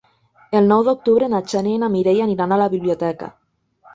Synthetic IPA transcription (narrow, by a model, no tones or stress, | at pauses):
elnawðeok̚t̪uβɾenat͡ʃaneːnamiɾejaniɾanalaβiβliot̪eka̰